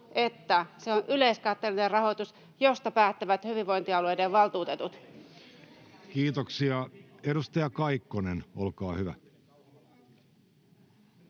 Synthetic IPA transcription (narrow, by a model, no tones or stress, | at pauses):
et̪ːæseonʔyleiskɑt̪ːelinerɑhot̪us | jost̪ɑpæːt̪ːeʋæt̪hyʋiʋoint̪iɑlueideʋʋɑlt̪uːt̪et̪ut̪ | kiːt̪oksiɑedust̪ɑjɑkɑikːonenolkɑːhyʋæ̰